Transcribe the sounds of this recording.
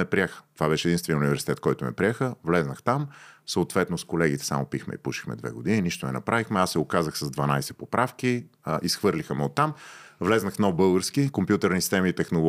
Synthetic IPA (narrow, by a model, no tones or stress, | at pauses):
ɛpɾiɛxə̥t̪ovaβɛʃɛdinst̪vɛniɛʊnivɛɾsi̥t̪ɛt̪̚kɔjt̪ʊmɛ̰pɾiɛxəvlɛznəxt̪amsəʊt̪vɛt̪noskolɛɡit̪ɛ̥sa̰mopixmɛ̰ḭpuʃi̥xmɛ̰d̪vɛ̰ɡod̪ininiʃt̪onɛnɐpɾavixmɛasːɛokazəxsɐzd̪vɐnajsɛpopɾafk̟iʔisxvɤɾlʲixəmɛot̪ːamvlɛznəxnɔbɤlˠɡəɾsk̟ikompjut̪ɛɾnisi̥st̪ɛmiːt̪ɛxnolˠ